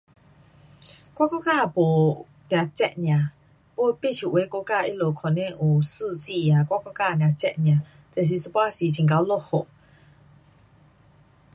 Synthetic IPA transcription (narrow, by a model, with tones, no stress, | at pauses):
kwa˦kɔ˦˨ka˥˨bo˨ | nja˨t͡ɕɛ̰˦ʔnj̃ã˨ | po˦˧˦pe˦˨ʃu˨ʔwe˨˦ko˦˨ka˥˦˨ʔḭ˦lo˨kʰɔ˨nɛ̃˦˨ʔu˨sɨ˥˦˨t͡si˦˨ja˨kwa˦kɔ˥˦ka˥˧˨nj̃ã˨t͡ɕɛ̰˦ʔnjã˨ | t̪ɛ˨s̬i˧˨sə˦˨pwa˦si˨t͡ɕʰĩ˨ŋka˧˦wlo˦˨ho˨ʔ